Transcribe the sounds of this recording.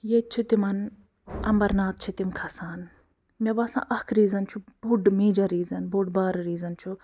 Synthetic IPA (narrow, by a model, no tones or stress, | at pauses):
jet͡ʃʰit̪imɐn | ɐ̰mbɐɾnaːt̪̚t͡ʃʰit̪imkʰɐsaːn | mʲebɐsã̰ːʔɐkʰɾiːzɐnt͡ʃʰubʱuɖmeːd͡ʒɐɾiːzɐnbʱuɖbaːɾɾiːzɐnt͡ʃʰu